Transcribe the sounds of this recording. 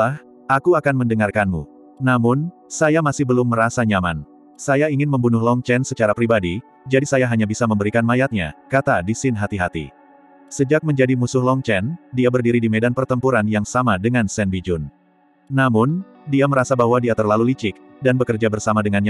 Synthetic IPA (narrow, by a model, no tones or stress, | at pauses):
ah | ʔakuakanməndəŋarkanmṵ | namʊnsajamasɪhbəlʊmːəɾasaɲaman | sajaiŋɪnməmbunʊɦlɔŋt͡ʃɛnsət͡ʃaɾapɾibadi | d͡ʒadisajaɦaɲabisaməmbəɾikanmajat̪̚ɲa̰kat̪adisɪnɦat̪iɦat̪ḭ | səd͡ʒak̚məɲd͡ʒadimusʊhlɔŋt͡ʃɛndiabərdiɾidimedanpərt̪əmpuɾanjaŋsamadəŋansɛndid͡ʒʊnː | amʊn | diaməɾasabaɦwadiat̪ərlalulit͡ʃɪk̚ | danbəkərd͡ʒabərsamadəŋanɲa